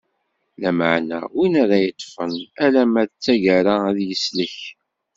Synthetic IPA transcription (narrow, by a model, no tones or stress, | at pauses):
læməʕnæ̰winæɾæjət̪ˤːfənælæmæt͡sːæʝæɾaæðjəsləç